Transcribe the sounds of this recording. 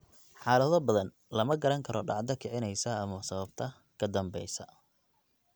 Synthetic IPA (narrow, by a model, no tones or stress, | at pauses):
ħɑːlɐðɔbɐðɐn | lɐmɐɡɐɾɐŋkʰɐɾʔɔɖɑ̰ʕd̪ɐkʰɛʕɪnɛjsɐɐmɐsɐβɐb̚t̪ʰɐ | kʰɐd̪ɐmbɛjsɐ